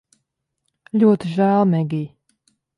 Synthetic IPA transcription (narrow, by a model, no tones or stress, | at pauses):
lʲuɔt̪iʒæːlˠmʲɛɡʲij